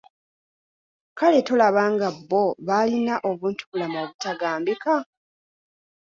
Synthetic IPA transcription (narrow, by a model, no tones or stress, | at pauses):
kale̞to̞laβaːŋɡabːo̞βalinaʔo̞βuːntu̥kulamoːβutaɡaːmbika